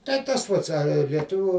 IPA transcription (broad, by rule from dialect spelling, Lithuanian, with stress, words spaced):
tɐɪ ˈtɐs ˈpɐts ɐr lʲiɛˈtʊʋʲuː